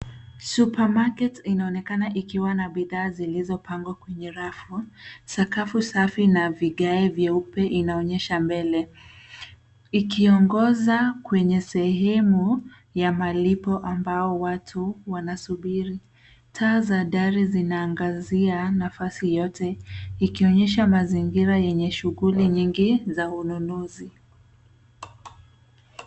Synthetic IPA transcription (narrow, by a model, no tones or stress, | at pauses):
supamakɛtinaɔnɛkanaʔikiwanaɓiðaːzilizɔpaŋɡwakwɛɲɛɾafusakafusafinaviɠaɛvjɛupɛʔinaɔɲɛʃambɛlɛ | ikiɔŋɡɔzakwɛɲɛsɛɦɛmu | jamalipɔʔambaɔwatʰuwanasuɓiɾi | tʰaːzaɗaɾizinaːŋɡazianafasijɔtɛikiɔɲɛʃamaziŋɡiɾajɛɲɛʃuɣuliɲiŋɡizaununuzi